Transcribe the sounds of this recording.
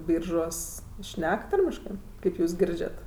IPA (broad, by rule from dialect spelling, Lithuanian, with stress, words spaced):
ˈbʲiːrʒuɔs ˈʃʲnʲɛk ˈtɐrʲmʲɪʃkɜ ˈkɐɪp juːs ˈɡʲɪrʲd͡ʒʲɛt